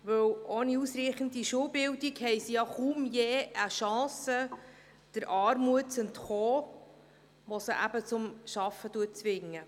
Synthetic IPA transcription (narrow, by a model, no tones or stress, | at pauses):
ʋɵwoniusɾiːχənd̪iʃuwbɪwdiɡhɛjsijɑχumjeːʔəʃɑ̃ːsə | d̥əɾʔɑːɾmuətt͡sɛntχoː | ʋosəʔæ̰bət͡sʊmʃɑfːətuət̚t͡sʋɪŋːə